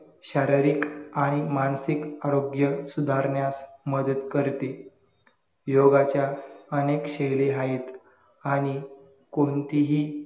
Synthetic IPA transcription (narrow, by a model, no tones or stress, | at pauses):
ɕaɾəɾikaɽ̃imansikaɾoɡjəsud̪ʱaɾɳjasməd̪ət̪kəɾt̪e | joɡat͡ɕjaənekɕejleɦait̪ | aɽ̃i | kont̪iɦiː